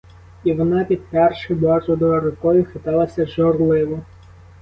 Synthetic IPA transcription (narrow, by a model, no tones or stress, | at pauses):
iʋɔnɑpʲid̪̚pɛrʃɪjbɑʒɔd̪ɔɐɾʊkɔjʊxet̪ɑlˠɐsʲɐʒɔrlˠɪʋɔ